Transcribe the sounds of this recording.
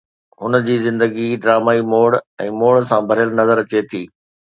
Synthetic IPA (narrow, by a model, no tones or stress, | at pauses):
ɦʊnə̆d͡ʑiːzɪ̃nd̪əɡiɖɾaːmaːimoːɽɛ̃ːmoːɽsãbʱɐɾɪjəlnɐzəɾɐt͡ɕet̪ʰiː